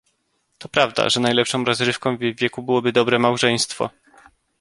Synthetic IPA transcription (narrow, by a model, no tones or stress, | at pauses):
t̪ɔpɾavd̪a̰ʐɛnajlɛpʂɔ̃w̃ɾɔzɾɘfkɔ̃w̃vːʲjɛkubɘwɔbɘd̪ɔbɾɛmawʐɛj̃st̪fɔ̰